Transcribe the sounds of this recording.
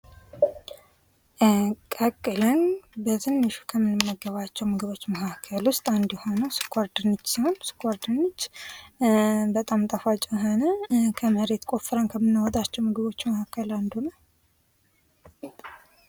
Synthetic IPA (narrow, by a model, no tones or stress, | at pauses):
kʼəkʼːɨlənbəzɨnːɨʃu̥kʰəmːɨnɨmːəɡːəβat͡ʃːɛwmɨɡɨβo̞t͡ʃːməkʰakʰːəlwʊst̪ʼand̪jɛho̞nəwsɨ̥kʰʷːaɾd̪ɨnːɨt͡ʃːsiho̞nsɨ̥kʰʷːaɾd̪ɨnːɨt͡ʃː | bət̪ʼamt̪ʼəfat͡ʃʼɪjɦonəkʰəməɾe̞t̪kʷʼo̞fɨɾənkʰəmːɨnːwɔt̪ʼat͡ʃːɛwmɨɡɨβo̞t͡ʃːməkakʰːəland̪unəw